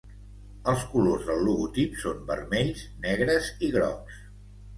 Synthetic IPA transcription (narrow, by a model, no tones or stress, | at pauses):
əlˠskulozðəlˠːuɣut̪ipsombə̰rmɛʎznɛɣɾəziɣɾɔ̰ks